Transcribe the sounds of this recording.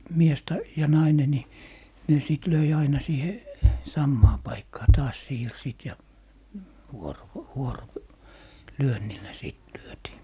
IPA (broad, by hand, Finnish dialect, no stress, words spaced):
mies tɑ jɑ nɑine ni ne siˑt løi ɑinɑ siːhe sɑmːɑː pɑikːɑː tɑːs siːrsiːt jɑ ʋuoro ʋuoro lyønːilːæ siˑt lyøtiː